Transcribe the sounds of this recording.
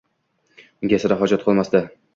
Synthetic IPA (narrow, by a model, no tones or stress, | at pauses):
ɡʲasɪɾaɦɒd͡ʒat̪̚qʰɨlˠmasd̪a